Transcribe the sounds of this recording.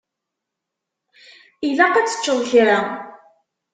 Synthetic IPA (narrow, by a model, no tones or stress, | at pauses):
ilæqæt͡sːə̥t͡ʃːəðˤçɾa